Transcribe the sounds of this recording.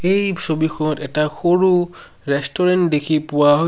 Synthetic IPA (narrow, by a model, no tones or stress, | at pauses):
ejsobixʰɔɔtɛtaxoɹu | ɹɛstɔɹɛntdekʰipʊwaɦo